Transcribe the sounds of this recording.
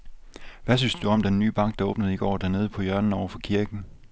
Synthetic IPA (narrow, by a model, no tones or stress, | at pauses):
ʋæsynsd̥uɒ̽md̥enːy̰ːb̥ɑ̈ŋ̰ɡ̥ɑ̈o̽ːb̥nəð̞̩ˠiɡ̥ɒ̰ːd̥æɐne̝ːð̞ˠpʰɒ̽jɶɐnn̩ɒʊɐfɒ̽kʰiɐɡ̥n̩